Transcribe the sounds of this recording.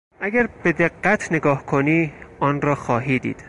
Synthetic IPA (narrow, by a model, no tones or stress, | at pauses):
ʔæɡæɾbe̞d̪eɢːæt̪ʰneɡɒːhkʰoniːʔɒːnɾɒːxɒːɦiːd̪ḭːd̪̥